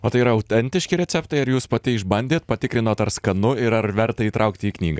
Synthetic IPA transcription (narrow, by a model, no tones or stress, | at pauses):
oːt̪ɐɪiːɾɐɐʊt̪ʲɛnʲt̪ʲɪʃʲkʲiːɾʲɛt̪sʲɛpt̪ɐɪɐɾjuːspɐt̪ʲɪɪʒbɐnʲd̪ʲeːt̪̚pɐt̪ʲɪkɾʲɪnoːt̪ɐɾskɐnʊɪɾɐɾʋʲɛɾt̪ɐiːt̪ɾʔɐʊkt̪ʲɪiːknʲiːɡɐː